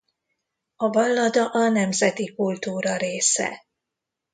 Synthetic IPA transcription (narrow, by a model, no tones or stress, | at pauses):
ɒvɒlːɒd̪ɒʔɒnɛmzɛt̪ikult̪uːɾɒɾeːsɛ̰